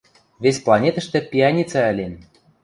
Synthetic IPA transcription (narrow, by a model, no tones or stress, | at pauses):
vʲesʲplˠɑnʲet̪ə̆ʃt̪ɘ̆pʲiɑnʲit͡sɑɘ̆lʲen